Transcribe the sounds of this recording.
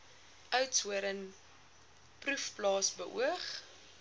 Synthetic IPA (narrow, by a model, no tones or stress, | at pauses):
ʔœɥtsuəɾən | prufplɑːsbəʔṵəχ